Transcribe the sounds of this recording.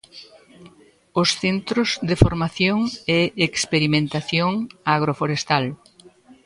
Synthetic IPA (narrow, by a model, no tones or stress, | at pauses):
ʊsθent̪ɾʊzðɪfoɾmaθjoŋɛekspeɾimẽnt̪aθjoŋaɣ̞ɾofoɾest̪al